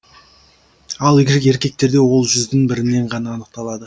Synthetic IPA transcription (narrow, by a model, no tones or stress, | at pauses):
ɑlˠe̞ɾkʲe̞k̚t̪e̞ɾd̪e̞wo̞lˠʒʏzd̪ɪŋbɪɾɪnːe̞ɴʁɑnɑːnəq̚t̪ɑlˠɑd̪ə